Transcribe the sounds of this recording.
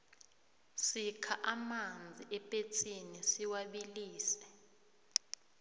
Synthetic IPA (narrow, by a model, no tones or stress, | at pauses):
sikʰaʔamand͡zʱiʔɛpʼet͡sʰinisiwaɓiliːsɛ̥